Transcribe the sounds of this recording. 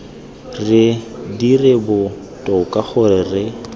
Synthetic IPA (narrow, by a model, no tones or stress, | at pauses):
rɪdirɪbʊ | tʼɔkʼaχʊrɪrɪ